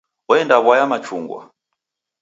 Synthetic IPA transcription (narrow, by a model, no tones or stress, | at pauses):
ɔɛndaβwajamat͡ʃṵŋɡwa̰